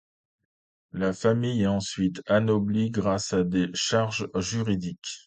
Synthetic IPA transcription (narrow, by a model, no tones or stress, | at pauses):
lafamijɑ̃sɥit̪anɔbliɡʁasad̪eʃaʁʒʒyʁid̪ik